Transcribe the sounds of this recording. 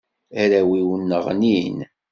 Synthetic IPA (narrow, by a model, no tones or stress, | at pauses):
æɾæwiwənːəʁnin